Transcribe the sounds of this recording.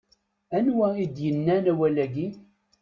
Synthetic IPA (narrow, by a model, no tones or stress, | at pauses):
ænwæid̪jənːænæwælæɡi